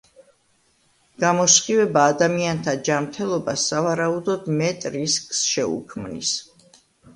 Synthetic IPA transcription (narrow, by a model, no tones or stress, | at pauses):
ɡ̥amɔsχʼivɛbaːd̪amiant̪ʰad͡ʒamt̪ʰɛlˠɔbasːavaɾaud̪ɔd̪mɛt̪ʼɾiskʼsʃɛṵkʰmnḭs